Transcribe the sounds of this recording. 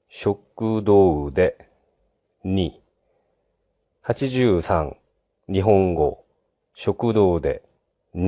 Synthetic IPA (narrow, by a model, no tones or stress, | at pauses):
ɕo̞kːɯ̟d̪o̞ːɯd̪e̞ | ɲi | hat͡ɕiʑɨːsã̰ŋ | ɲiɦõ̞ŋɡo̞̰ | ɕo̞kɯ̟d̪o̞ːd̪e̞̰ | ɲ